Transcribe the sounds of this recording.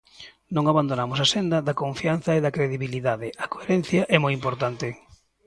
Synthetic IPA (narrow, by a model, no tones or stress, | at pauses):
nõŋaβand̪onamʊsasend̪ɐðɐkoɱfian̟θɐeðɐkɾeðiβiliðaðeɐkoeɾɛnθjɐʔɛmojimpoɾt̪ant̪ɪ